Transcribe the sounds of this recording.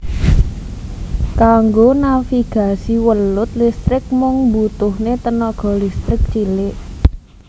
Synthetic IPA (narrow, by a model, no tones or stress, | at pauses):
kaŋɡonafiɡ̥a̤siwəlʊt̪̚list̪ɾɪk̚mʊŋbut̪ʊhnet̪ənɔɡ̥ɔ̤list̪ɾɪk̚t͡ʃilɪʔ